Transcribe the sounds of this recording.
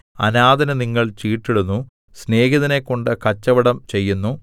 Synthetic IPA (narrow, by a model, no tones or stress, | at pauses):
ɐ̰naːd̪ɐnɐniŋːɐɭt͡ɕiːʈːiɽunːu | sne̞ːɡiðɐnekːo̞ɳɖɨkɐt͡ɕːɐʋɐɽɐmt͡ɕe̞jːunːu